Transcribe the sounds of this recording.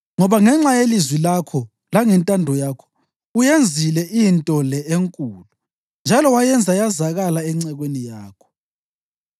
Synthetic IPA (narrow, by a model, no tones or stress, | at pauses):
ŋɔβaŋɛŋ͡ǁajelizwilakʰɔ | laŋɛntʼandʱɔjakʰɔ̥ | ujend͡zʱilɛʔintʼɔlɛeŋkʼuːlu | nd͡ʒʱalɔwajɛnd͡zʱajazaɣalaɛŋ͡ǀɛɣwenijaːkʰɔ̥